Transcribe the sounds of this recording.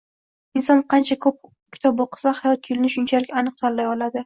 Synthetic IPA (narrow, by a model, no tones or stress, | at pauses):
ɪnsɒnqʰɑnt͡ʃʰakʰɵp̚ | kʲʰɪ̥t̪ʰɒb̚oqʰɨ̥sahajɒt̪̚ɡʰʊlnɪʃʊnt͡ʃʰalɪkʲanɨq̚t̪ʰaɾlajɒlad̪ɪ